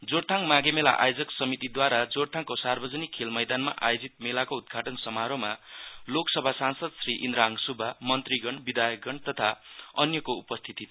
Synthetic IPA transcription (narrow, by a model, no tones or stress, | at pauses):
d͡zoɽt̪ʰaŋmaɡemela̰ʔa̰jod͡zʌksʌmit̪id̪waɾad͡zoɽt̪ʰaŋkosarbʌd͡zʌnikʰːelmʌjd̪anma̰ʔa̰jod͡zit̪̚melakoud̪̚ɡʱaʈʌnsʌmaɾomaloksʌbʱasansʌd̪sriʔind̪ɾaŋsubʱamʌnt̪riɡʌɳbid̪ajʌk̚ɡʌɳt̪ʌt̪ʰaʌnjʌkoupʌst̪ʰit̪i